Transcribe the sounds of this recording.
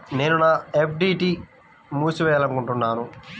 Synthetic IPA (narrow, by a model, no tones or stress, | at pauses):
ne̞ːnunaːep̚ʰɖiːʈiː | muːsuʋɛːjɐlɐŋkuɳʈunːaːnu